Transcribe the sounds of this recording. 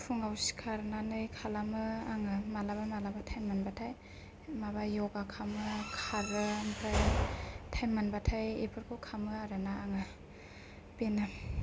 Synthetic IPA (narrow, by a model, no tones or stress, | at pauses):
pʰuŋawsi̥kʰaɾnanɯjkʰalamɯaŋɯmalabamalabatʰajmanbatʰaj | mabajɔɡakʰamɯkʰaɾɯmpʰɾajtʰajmanbatʰajepʰɯɾkʰowkʰamɯaɾɯnaːŋɯ | benɯ